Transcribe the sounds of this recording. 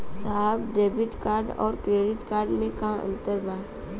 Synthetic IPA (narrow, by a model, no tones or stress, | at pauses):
saɦəbɖeːbɪʈkaːɾɖɔ̰ːɾkɾeːɖɪʈkaːɾɖmẽkɐɦãə̰̃nt̪əɾbaːd̪